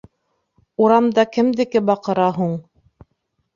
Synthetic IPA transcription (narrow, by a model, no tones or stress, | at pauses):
uɾɑmd̪ɑkɘ̆md̪ɘ̆kɘbɑqɤ̆ɾɑɦuɴ